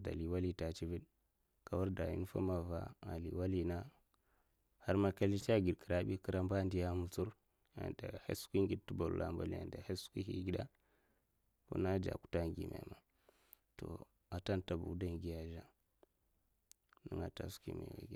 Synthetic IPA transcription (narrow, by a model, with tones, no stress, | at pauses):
da̰˨li˨wa˦li˦ta˨t͡ʃi˦vi˦ɗ | ka˨wu˦ɾda˨jḭ˦n˦fa̰˦ma˨va̰˦a˨li˨wa˦li˦na˦ | ha˦ɾma˦ka˦li˦t͡ʃa˦ɡi˨dkə˨ɾa˦ɓi˦kə˦ɾa˦mba˦˨ndi˦ja˦mu˨t͡su˦ɾ | a̰˨nda˨hḛ˦skʷi˦ŋɡi˦d̚tu˦bo˨lṵ˨la̰˨mba̰˦lḭ˦a̰˨nda˨he˦su̥˦ki˦hi˦ɡi˦da˦ | kṵ˦na˦d͡ʒa̰˨ku̥˦ta˦ŋɡḭ˨mḛ˨ma˨ | to̰˨ | a˨ta˦nta˨bu˨˦da˦ŋɡi˨ja˨ʒa˦ | nə̰˦ŋa˨ta̰˨su̥˦kḭ˦mḭ˨wa̰˨ɡa˦